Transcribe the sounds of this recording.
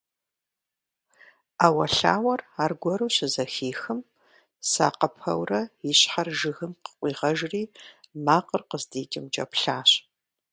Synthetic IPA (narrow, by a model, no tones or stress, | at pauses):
aːwɐɬa̰ːwɐraːrɡʷɔɾuːɕɪzɐxiːxɨm | sa̰ːqɐpʰɐ̰wrɐjiɕħarʒɨɣɨmqə̥qʷʼiːʁɐʒriːmaːqərqəzdeːd͡ʒʼɪmt͡ʃʼɐ̰pɬaːɕ